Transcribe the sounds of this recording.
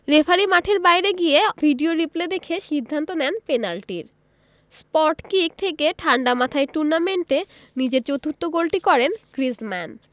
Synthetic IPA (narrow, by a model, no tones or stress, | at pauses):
ɾefʰaɾimaʈʰeɾbajɾeɡijebʱiɖioɾipled̪ekʰeʃid̪ʱːant̪onɛnpenalʈḭɾ | spɔʈkik̚t̪ʰekeʈʰaɳɖamat̪ʰaeʈuɾnameɳʈe | nid͡ʑeɾt͡ɕot̪uɾt̪oɡolʈikɔɾenkɾismɛn